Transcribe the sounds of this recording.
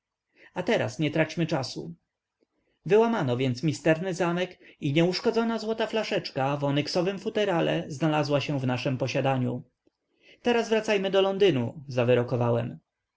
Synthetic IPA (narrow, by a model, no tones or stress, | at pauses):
at̪ɛɾa̰sɲɛt̪ɾat͡ɕmɘt͡ʂasṵ | vɘwamanɔvʲjɛnt̪smʲist̪ɛɾnɘzamɛkiɲɛuʂkɔd̪zɔnazwɔt̪aflaʂɛt͡ʂkavɔnɛksɔvɘmfut̪ɛɾalɛ̰znalazwaɕɛ̃vnaʂɛmpɔɕad̪aɲṵ | t̪ɛɾasvɾat̪sajmɘd̪ɔlɔnd̪ɘnṵzavɘɾɔkɔvawɛm